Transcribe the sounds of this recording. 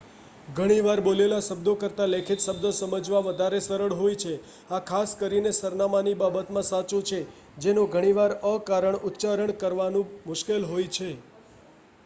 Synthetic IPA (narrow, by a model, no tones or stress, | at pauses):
ɡʱəɽ̃iʋaɾbolelaʃəbd̪okəɾt̪alekʰit̪ʃəbd̪osəməd͡ʒʋaʋəd̪ʱaɾesəɾəɭɦojt͡ʃʰe | akʰaskəɾinesəɾnamanibabət̪mãsat͡ʃũt͡ʃʰe | d͡ʒenõɡʱəɽ̃iʋaɾəkaɾəɳʊt̪ːt͡ʃaɾəɳkəɾʋanũmʊʃkelɦojt͡ʃʰe